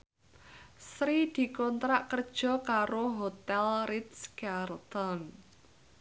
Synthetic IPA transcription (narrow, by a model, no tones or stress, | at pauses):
sɾid̪̥i̤kɔnt̪ɾaʔkərd̥ʒ̥ɔ̤kaɾoɦot̪ɛlrit̪skart̪ɔn